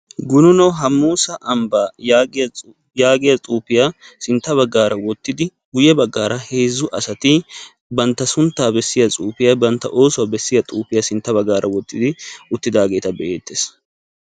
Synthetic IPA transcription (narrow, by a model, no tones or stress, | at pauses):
ɡʊnʊnɔɦɐmːuːsɐʔɐmbaː | jaːɡɪjɐt͡sʼuːpɪjasɪnt̪ːɐβɐɡːaːɾʔɐwɔt̪ːɪd̪ɪ | ɡʊjɛbɐɡːaːɾɐheːzːʊʔɐsɐt̪ɪ | bɐnt̪ːɐsʊnt̪ːaːbɛsːɪjɐt͡sʼuːpɪjabɐnt̪ːɐ̰ʔo̞ːsʊwabɛsːɪjɐt͡sʼuːpɪjasɪnt̪ːɐbɐɡːaːɾʔɐwɔt̪ːɪd̪ɪʔʊt̪ːɪd̪aːɡe̞ːt̪ɐbɛʔeːt̪ːeːs